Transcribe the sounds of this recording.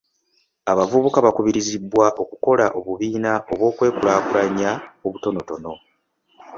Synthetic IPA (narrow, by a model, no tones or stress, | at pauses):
aβavuβukaβakuβiɾizibwaʔo̞kuko̞laʔo̞βuβiːnaʔo̞βwo̞ːkwe̞ːkulaːkuɾaɲaoβuto̞no̞to̞no̞